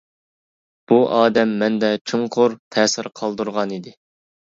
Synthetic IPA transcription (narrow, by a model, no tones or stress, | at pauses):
b̥uʔɑːd̪ɛmːɛnd̪ɛt͡ʃʰuɴqʰʊɾt̪ʰɛːsɪɾqʰɑlˠd̪uɾʁɑnid̪ɪ